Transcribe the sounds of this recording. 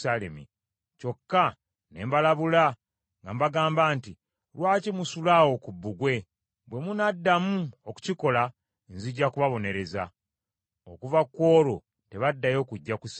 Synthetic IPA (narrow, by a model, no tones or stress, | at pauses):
alḛmḭ | co̞kːa | ne̞ːmbalaβula | ŋɡambaɡaːmbaːnti | ɾwaːcimusulawo̞kubːuɡwe̞ | bwe̞munadːamuoku̥ciko̞la | nziɟːakuβaβo̞ne̞ɾe̞za̰ | okuvakwo̞ːɾo | te̞βadːajo̞ːkuɟːakus